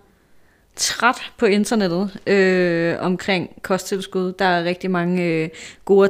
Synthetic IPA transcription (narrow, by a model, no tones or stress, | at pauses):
t͡sʰʁad̥pʰɒ̽e̝nd̥ɐned̥ð̞̩ˠøɒ̽mkʰʁeŋ̰kʰɒ̽sd̥t͡sʰe̝lsɡ̥uð̞ˠd̥ɑ̈æɐʁeɡ̥̚d̥imɑ̈ŋəøɡ̥o̝ː